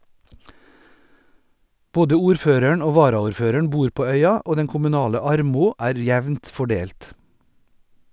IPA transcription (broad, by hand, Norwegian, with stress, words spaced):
ˈboːdə ˈuːɾˌføːɾəɳ ˈoː ˈʋɑːɾɑʊɾˌføːɾəɳ ˈbuːɾ ˈpoː ˈœʏɑ ˈoː ˈdɛn kʊmʉˈnɑːlə ˈɑɾmʊ ˈæːɾ ˈjɛʋnt fɔˈɖeːlt